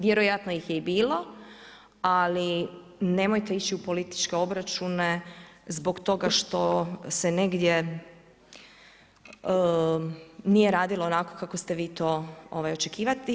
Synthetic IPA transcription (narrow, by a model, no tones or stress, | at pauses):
ʋje̞ɾo̞jat̪no̞jixjeibiːlo̞ | ali | ne̞mo̞jt̪e̞it͡ʃiupo̞lit̪i̥t͡ʃke̞o̞bɾat͡ʃunezbo̞kt̪o̞ɡaʃt̪o̞sene̞ɡd̪je̞ | nijeɾaːd̪ilˠoːnako̞̥kakost̪e̞ʋiːt̪o̞ːoʋajo̞t͡ʃekiːʋat̪i